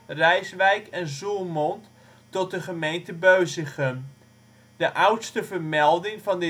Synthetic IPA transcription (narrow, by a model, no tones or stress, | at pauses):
rɛjsʋɛjkʰɛnzulˠmɔnt | tɔt̚dəχəmejntəbøɥzəχən | dəʔʌwtstəvərmɛlˠdɪŋvɑndə